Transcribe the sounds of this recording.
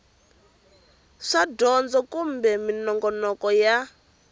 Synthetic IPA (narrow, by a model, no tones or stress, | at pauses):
ʂadɔnd͡zɔkumbɛminɔŋɡɔnɔkɔja